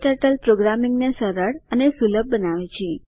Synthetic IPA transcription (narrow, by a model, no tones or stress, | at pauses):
ʈəɾʈəlpɾoɡɾamiŋɡnesəɾəɽənesuləb̚ːənaʋit͡ʃʰe